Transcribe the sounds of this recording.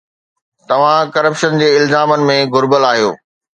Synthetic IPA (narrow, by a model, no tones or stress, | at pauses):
t̪ɐʋ̤ãkɐɾəpʃənd͡ʑeːɪlzaːmənɪ̆mẽɡʊɾbəlaːɦijo̰ː